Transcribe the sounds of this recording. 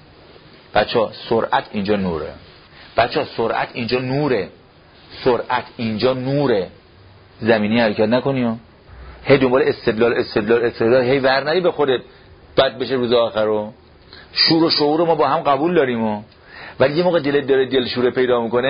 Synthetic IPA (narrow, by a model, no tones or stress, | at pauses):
b̥æt̪t͡ʃʰɒːsoɾʔæt̪ʰind͡ʒɒːnṵːɾḛ | b̥æt̪t͡ʃʰɒːsoɾʔæ̰t̪ʰind͡ʒɒːnuːɾe | soɾʔæt̪ʰind͡ʒɒːnuːɾe | zæmiːnijhæɾecʰæt̪næko̞niɒː | hejd̪ombɒːleest̪e̞d̪lɒːlest̪e̞d̪lɒːlest̪ed̪lɒːlɦejvæɾnæɾiːbexod̪et̪̚ | b̥æd̪̚be̞ʃeɾuːzeɒːxæɾo | ʃuːɾoʃouːɾomɒːbɒːhæmɢæbuːld̪ɒːɾimo | vælijemoːɣed̪elet̪̚d̪ɒːɾed̪elʃuːɾepʰe̞jd̪ɒːmiko̞ne